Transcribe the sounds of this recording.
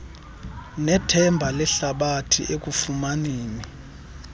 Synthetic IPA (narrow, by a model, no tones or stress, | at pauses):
nɛtʰɛmbʱalɛɬaɓatʰḭʔek̬ʼufumaniːni